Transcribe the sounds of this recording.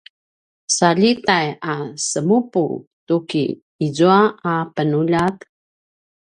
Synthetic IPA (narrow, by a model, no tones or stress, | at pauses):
saʎitajasəmupṵtukḭː | zuaapənuʎat̪